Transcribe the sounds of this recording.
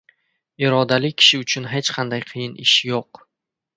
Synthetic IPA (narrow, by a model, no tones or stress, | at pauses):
ɪɾɒd̪alɪkʲʰɪ̥ʃɪʊt͡ʃʰʊnɦe̞t͡ʃqʰɑnd̪ajqʰɨjɪnʔɪʃjoq